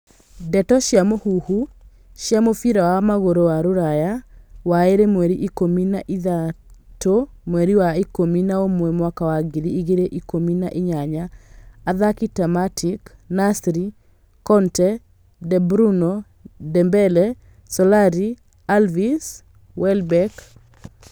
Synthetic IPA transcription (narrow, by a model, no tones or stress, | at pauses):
dɛtɔʃjamohuhu | ʃjamofiɾawamaɣoɾowaɾoɾajawaeɾemwɛɾiʔikominaʔiðato | mwɛɾiwaikominaomwɛmwakawaɡiɾiiɣeɾeʔikominaʔiɲaɲaː | ðakitamatʰiknasɾi | kɔntɛ | dɛbɾunɔ | dɛmbɛlɛ | sɔlaɾi | alvis | wɛlbɛk